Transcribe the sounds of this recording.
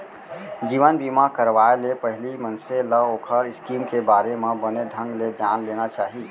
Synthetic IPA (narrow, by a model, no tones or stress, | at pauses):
d͡ʒiːʋənbimakəɾʋaelepəɦlimənseləoːkʰəɾɪskiːmkebaːɾemẽbəned̪ʱə̃ŋɡled͡ʒaːnleːnat͡ʃaːɦi